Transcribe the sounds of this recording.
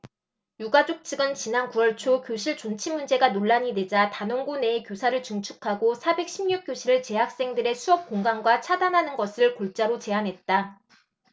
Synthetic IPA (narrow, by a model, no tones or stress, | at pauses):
juɡad͡ʑok̚t͡ɕʰɯɡɯnt͡ɕinankuʌɭt͡ɕʰokjoɕʰiɭt͡ɕont͡ɕʰimund͡ʑe̞ɡanoɭːaɲide̞d͡ʑatanʌŋɡune̞ːkjosʰaɾɯɭt͡ɕɯŋt͡ɕʰukʰaɡosʰabe̞k̚ɕʰimɲuk̚k͈joɕʰiɾɯɭt͡ɕe̞ɦak̚s͈e̞ŋdɯɾe̞sʰuʌp̚k͈oŋɡaŋɡwat͡ɕʰadanɦanɯnɡʌsʰɯɭkoɭt͡ɕ͈aɾot͡ɕe̞anɦe̞t̚t͈a